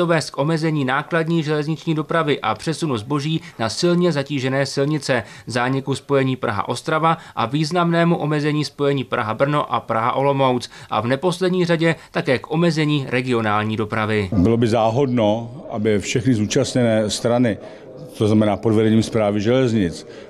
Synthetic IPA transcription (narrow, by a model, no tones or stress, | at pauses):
ovɛːst̪̚kʔo̞mɛzɛɲiːnaːkladɲiːʒɛlɛzɲɪt͡ʃɲiːdo̞pɾavɪʔapr̥ɛsunuzbo̞ʒiːnasɪlɲɛzaciːʒɛnɛːsɪlɲɪt͡sɛzaːɲɪkuspo̞jɛɲiːpɾʔa̰ɦa̰ʔo̞st̪ɾavaʔaviːznamnɛːmuʔo̞mɛzɛɲiːspo̞jɛɲiːpɾʔa̰ɦabr̩no̞ʔapɾaɦa̰ʔo̞lo̞mo̞wt͡sʔa̰vnɛpo̞slɛdɲiːr̝aɟɛtt̪akɛːkʔo̞mɛzɛɲiːɾʔɛɡɪo̞naːlɲiːdo̞pɾavɪbɪlo̞bɪzaːɦodnoʔabɪfʃɛxnɪzuːt͡ʃasɲɛnɛːst̪ɾanɪ | t̪oznamɛnaːpodvɛdɛɲiːmspɾaːvɪʒɛlɛzɲɪt͡s